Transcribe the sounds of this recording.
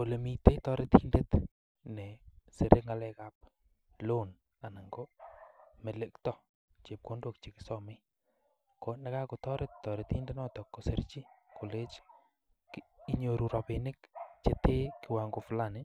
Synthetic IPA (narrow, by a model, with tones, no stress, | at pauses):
o˨le˨mi˨te˦tɔ˦ɾet̪i˦nde˦t | ne˨se˨ɾʔe˦ŋa˨lɛ˦ka˦p̚ | lo˦n | a˨na˨ŋɡo˦ | me˨lektɔ˦ | t͡ʃe˨p̚ko˦ndo˨kt͡ʃi˨kɪ̥sɔmɪ˦ | ko˨na˦ka˦ko˨tɔ˦ɾɪ˦ttːɔ˨ɾe˨t̪i˦nde˦nɔ˦tɔ˨kːo˨se˨ɾt͡ʃi˦ko˨le˦t͡ʃ | ki˦ɲo˨ɾu˨ɾɔ˨penɪ˦kt͡ʃete˦kɪ˨wa˨ŋɡo˨fla˦nɪ˦